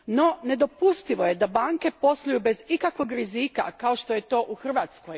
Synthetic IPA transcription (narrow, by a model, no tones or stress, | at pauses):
no̞ne̞d̪o̞pust̪iʋo̞jed̪abaːŋke̞po̞slˠoujube̞zikakʋoɡɾizikakao̞ʃt̪o̞jet̪o̞ːʔuxr̩ʋaːt̪skoj